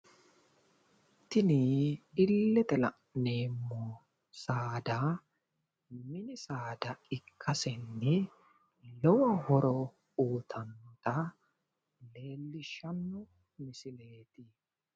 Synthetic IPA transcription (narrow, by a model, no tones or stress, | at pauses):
t̪ɪniɪlːɛt̪ɛlɐʔneːmːɔ | saːd̪a | mɪnɪsaːd̪ɐɪkʰːɐsɛnːɪ | lɔwɐhɔɾɔ | uːt̪ʰɐnt̪ɐ | le̞ːlːɪʃɐnːʊ | mɪsɪle̞ːt̪ɪ